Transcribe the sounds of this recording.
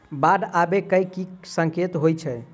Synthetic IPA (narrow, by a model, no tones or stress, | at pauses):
bad̪abekəjkːisə̃ŋket̪ɦojt͡ʃʰɛ